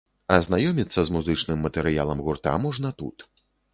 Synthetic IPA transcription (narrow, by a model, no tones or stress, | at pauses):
ɐznajɔmʲit̪sːɐzmuzɨt͡ʂnɨmːɐt̪ɛɾɨja̰lˠɐmɣurt̪a̰mɔʐnɐt̪ṵt̪